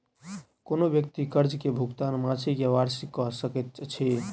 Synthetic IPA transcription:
konobjək̚t̪ikəɾd͡ʒkebʱuɡt̪anmat͡ʃʰikeʋaɾsikːɔsəkɛt̪̚t͡ʃʰi

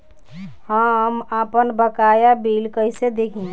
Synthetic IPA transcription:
həmapənbəkaːjabiːlkəɪsed̪ekʰĩ

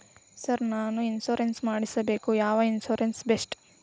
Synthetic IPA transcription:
sɐɾnaːnuinsoːɾensmaːɽisɐbe̞ːkujaːʋɐinsuːɾensbesʈ

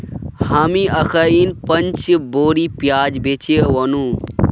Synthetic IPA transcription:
haːmiʔɐkʰɐinpɐnt͡ʃboːɾipjaːd͡ʒbet͡ʃewɐnu

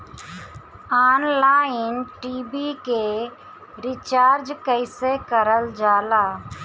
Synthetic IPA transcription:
aːnlaːɪnʈiːbiːke | ɾɪt͡ʃaːɾd͡ʒkəɪsekəɾəld͡ʒaːlaː

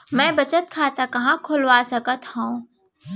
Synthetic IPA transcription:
mɛ̃ːbɐt͡ʃət̪̚kʰaːt̪akɐɦãkʰʊlʋaːsɐkət̪hõː

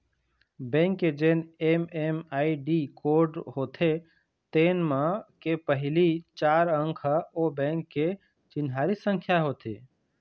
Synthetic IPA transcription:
bɛ̃ŋkːed͡ʒeːnememaːiɖikoɾɖɦoːt̪ʰe | t̪eːnmãkepəɦɪlit͡ʃaːɾə̃ŋkʰobɛ̃ːŋkːe | t͡ʃɪnɦaːɾisə̃ŋkʰjaɦoːt̪ʰḛ

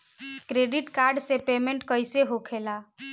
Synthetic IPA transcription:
kɾeɖiʈkaɾɖsepemeɳʈkəjseɦokʰela

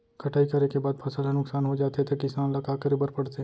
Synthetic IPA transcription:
kʰɐʈʰaːikɐɾekebaːd̪̚pʰɐsəlɦenʊksaːnɦod͡ʒaːt̪et̪ʰekɪsaːnlɐkaːkəɾibɐɾpɐɽt̪e

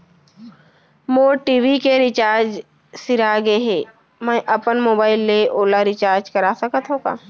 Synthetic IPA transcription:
moːʈiːʋikeɾɪt͡ʃaːɾd͡ʒ | sɪɾaɡeɦeː | mɛ̃ʔɐpənmoːbaːɪlːeʔoːlaɾɪt͡ʃaːɾd͡ʒkɐɾaːsəkət̪ɦõːɡa̰ː

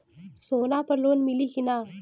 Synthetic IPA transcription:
soːnaːpɐɾloːnmiliːkinaː

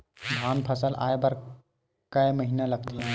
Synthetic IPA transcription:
dʱaːnpʰəsəlʔa̰ːebɐɾ | kəeməɦinalɐɡt̪iɦɛ̃

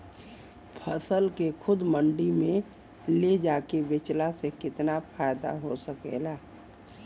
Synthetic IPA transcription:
pʰəsəlkekʰʊd̪mə̃ɳɖimẽ | led͡ʒaːkeʋɪt͡ʃlasekɪt̪napʰaːɪd̪a̰ɦosəkḛlaː

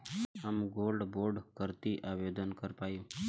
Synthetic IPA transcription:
əmɡoːlɖboɾɖkəɾt̪iʔaːʋed̪ənkəɾpaːjũː

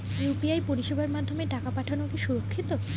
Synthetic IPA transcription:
jupiajpoɾiʃebʱaɾmad̪ʱːomeʈakapaʈʰanokiʃuɾokʰːit̪o

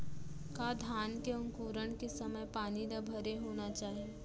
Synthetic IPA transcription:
kaːd̪ʱjaːnkeʊŋkuːɾəɽ̃kesɐməjpaːnid̪abʱəɾeɦoːnat͡ʃaːɦie

